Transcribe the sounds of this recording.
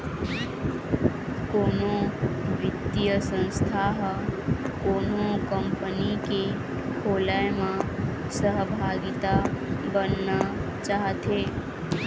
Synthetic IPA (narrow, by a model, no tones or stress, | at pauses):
konobit̪ijəsə̃nst̪ʰaɦ | konokəmpənike | kʰolaemã | səɦbʱaɡit̪abənːa | t͡ʃaɦt̪ʰe